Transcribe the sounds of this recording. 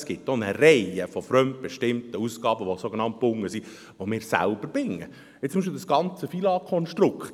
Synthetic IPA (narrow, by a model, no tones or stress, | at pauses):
sɡ̥ɪtːonəɾɛɪəfɔfɾœmt̚b̥ɛʃtɪmtəusɡ̥ɑːbəʋosoɡenɑnt̚b̥ʊŋːəsi | ʋomɪːɾsæ̰lb̥əɾbɪŋːə | ɪt͡st͡sːʊmiʃpɪlˠd̪sɡ̥ɑnt͡səfilɑkʰɔnʃtɾʊkχt